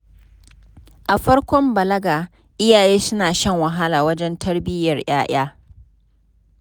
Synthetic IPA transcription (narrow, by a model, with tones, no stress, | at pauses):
ʔa˨ɸɐ˦ɽkʷɔ˦mbɐ˨lɐ˦ɡaː˨ | ʔɪ˦jaː˨jeː˦sʊ˦naː˨ʃɛ˦˨ŋwɐ˨ɦa˦laː˨wɐ˦d͡ʒɛ˦ntʰɐ˦rbɪ˦jɐ˨rj̰aː˦ʔaː˦